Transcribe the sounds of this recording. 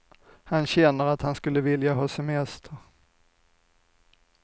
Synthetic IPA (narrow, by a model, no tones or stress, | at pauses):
hanɕɛnːəɾat̪hanskɵlːəvɪljaɦɑːsɛmɛst̪ʰəɾ